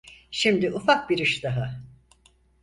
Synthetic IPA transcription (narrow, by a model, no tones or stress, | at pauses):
ʃimd̪iʔufak̚biɾɯʃd̪aɦɯ